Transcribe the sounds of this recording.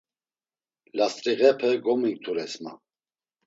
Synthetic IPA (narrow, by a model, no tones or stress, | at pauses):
last̪ʼɾiɣɛpʰəɡɔmiŋk̚t̪ʰuɾɛsma̰